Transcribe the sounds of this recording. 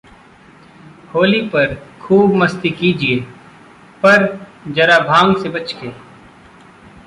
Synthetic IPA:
hoːlipəɾkʰuːbməst̪ikiːd͡ʒieː | pəɾd͡ʒɐɾaːbʱãːŋɡsebət͡ʃkeː

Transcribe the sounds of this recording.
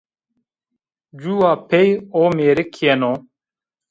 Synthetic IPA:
d͡ʑuːwaːpʰejoːmeːɾikʰːienoː

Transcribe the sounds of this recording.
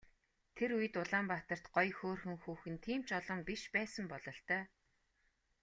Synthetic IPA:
t̪ʰeɾujɘ̆t̪ʊɮaːmpat̪ə̆r̥t̪ɢɔjxoːrxɘ̆ŋxuːxɘ̆nt̪ʰiːm̥t͡ɕɔɮɞ̆mpiʃpæːsə̆mpɔɮɞ̆ɬt̪œː

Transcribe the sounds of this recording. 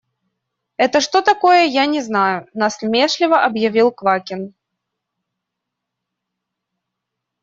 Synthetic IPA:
ɛt̪əʂt̪ot̪ɐko̞jəjanʲɪznajʊnaslʲmʲeʂlʲɪvəʔɐbjɐvʲilˠkvakʲɪn

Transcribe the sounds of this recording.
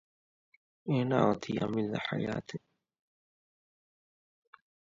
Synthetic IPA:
eːna̰ːat̪ʰiːa̰milda̰ħa̰jaːt̪ʰe

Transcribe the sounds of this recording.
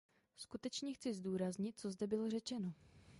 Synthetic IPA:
skut̪ɛt͡ʃɲɛxt͡sɪzduːɾazɲɪt̪̚t͡so̞zdɛbɪlo̞rɛt͡ʃɛno̞

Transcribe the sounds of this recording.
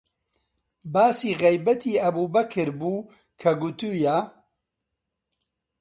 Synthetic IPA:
baːsiːɣɛjbɐt̪ʰiːɐbuːbɐkʰɨɾbuː | kʰɐɡut̪uja

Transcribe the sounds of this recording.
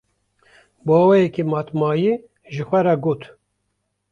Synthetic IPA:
bɑːwɛjɛkemɑːt̪mɑːje | ʒɨxʷɛɾɑɡoːt̪

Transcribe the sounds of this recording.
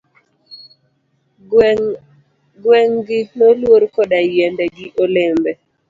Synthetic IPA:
ɡwɛŋɡɪnolwoɾkodajɛndɛɡɪʔolembɛ

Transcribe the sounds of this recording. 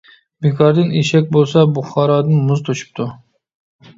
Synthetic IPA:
bekʰɒɾd̪ɪneʃak̚ʲbolˠsabʊχɑɾɒd̪ɪnmʊzt̪ʰoʃɪ̥p̚t̪ʰʊ

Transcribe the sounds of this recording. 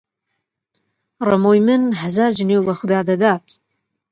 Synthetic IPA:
rɐmojmɨnħazard͡ʒɪnewlɐχʷʊdaːdɐdaːtʰʼ

